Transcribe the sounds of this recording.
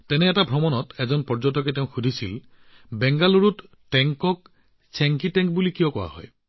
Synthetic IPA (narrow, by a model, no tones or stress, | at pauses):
tɛnɛːtabʱɾɔmɔnɔtɛzɔnpɔɹd͡ʒɔtɔk̬eteʊ̃xʰud̪ʱisil | bɛŋɡaluɹut | ʈɛŋkɔk̚ | seŋkitɛŋk̚bulikijɔkɔwa̰ɦɔ̰j